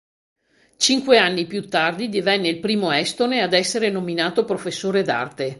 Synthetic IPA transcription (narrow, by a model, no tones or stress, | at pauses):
t͡ʃiŋkweanːipjut̪ːard̪id̪ivɛnːeilpɾiːmoɛst̪onead̪ɛsːeɾenominaːt̪opɾofesːoːɾed̪a̰rt̪e